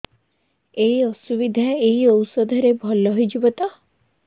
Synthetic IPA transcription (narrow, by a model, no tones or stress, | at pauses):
eiɔsubid̪ʱaeɦiɔwsɔd̪ʱɔɾebʱɔlːɔɦɔjd͡ʒubɔt̪a